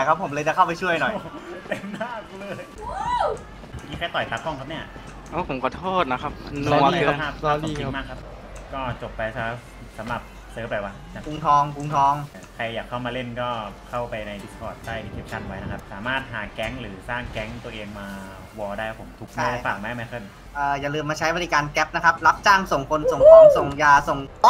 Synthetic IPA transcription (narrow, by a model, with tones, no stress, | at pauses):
a˨˧˩kʰa˦˥pʰːo˩˦mlɤː˧jt͡ɕa˨˩kʰa˥˩wpa˧jt͡ɕʰu˥˩ɐəjnɔ˨˩jt̪e˧˩mnaː˥˩k̚lɤː˧˩j | kiː˦˥kʰa˧˩jt̪ɔ˨˩jpa˧˦˥kʰːɔ˥ŋkʰa˦˥p̚ni˥˩ɐ | ʔaː˧˩pʰo˩˦mkɔ˧˩t̪ʰoː˥˩t̪̚na˦˥kʰa˦˥p̚nːʰ˧a˥˩p̪̚ːli˨˧˨i˧˥maː˥˩kʰːa˦˥p̚ʰːkɔː˥˩t͡ɕo˨˩pːa˧jsa˧˦˥ | sa˩˦mɾa˨˩p̚ | sɤː˨˦˥bɛː˨˩waː˦˧˥ | a˨˩kʰu˧˦ŋt̪ʰɔː˧ŋkʰu˧ŋt̪ʰɔː˧ŋ | kʰa˧jːaː˨˩kʰːa˥˩wmaː˧le˥˩nkɔː˥˩kʰa˥˩wpa˧jna˧jdi˦˥skʰɔː˨˩t̪̚ːaː˥˩jt̪ʰiː˥˩kʰe˦˥p̚kʰa˧˩n̚wa˦˥jna˦˥kʰa˦˥p̚saː˩˦maː˥˩t̪̚ɦaː˩˦kɛ˦˥ŋɾɯː˩˦saː˥˩ŋkɛ˦˥ŋt̪u˧ɐʔeː˧ŋmaː˧ | wɔː˧daː˥˩jʰpʰo˨˩˦mt̪ʰu˨˦˥k̚ma˥˩da˥˩fa˨˩k̚ma˧˦˥ma˦˥jkʰɤ˧˥˩n | ʔɤː˧˩jaː˨˩lɯː˧mːaː˧t͡ɕʰa˦˥jbɔː˧li˦kaː˧nkɛ˦˥p̚na˦˥kʰa˦˥p̚la˦˥p̚t͡ɕaː˥˩ŋso˨˩ŋkʰo˧nso˨˩˦ŋkʰo˧nso˨˩ŋjaː˧so˨˩ŋ˥